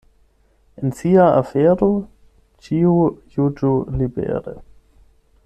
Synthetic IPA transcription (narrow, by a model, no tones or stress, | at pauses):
ɪnsiaa̰fɛːɾo | t͡ʃiːujud͡ʒolibɛ̰ːɾə̰